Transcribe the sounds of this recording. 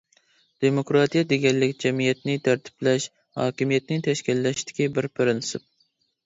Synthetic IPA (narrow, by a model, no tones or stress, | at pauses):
d̪̥emokɾɑt̪ijɛd̪eɡʲɛlːɪkʲd͡ʒɛmijɛt̪̚nɪt̪ʰæɾt̪ʰɪ̥plɛʃ | hɑ̰ːkʲimijɛt̪nɪt̪ʰɛʃkʲilːɛʃt̪ɪ̥kʲibɪɾpʰɪɾɪnsɨp̚